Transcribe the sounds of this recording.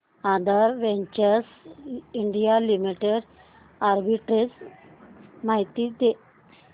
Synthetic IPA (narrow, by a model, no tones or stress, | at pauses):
ãd̪ʱaɾʋɛɲt͡ɕəɾsiɳɖijalimiʈeɖ | aɾbiʈɾed͡z | maɦit̪id̪e